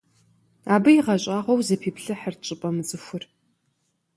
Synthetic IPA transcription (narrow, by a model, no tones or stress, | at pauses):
aːbɨjiʁɐɕʼaːʁʷɔwzɐpʰiːpɬɨħərt͡ʃʼɪpʼɐmɨt͡sʼɨxʷʊr